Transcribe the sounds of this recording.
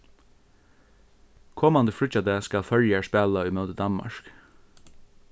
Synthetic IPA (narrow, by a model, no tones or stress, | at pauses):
kʰɔːmɑnd̪əflʏc͡çɑd̪eːskɑlfœljæspæːlaʏːmœːd̪əd̪ɑnmɑ̰ʃk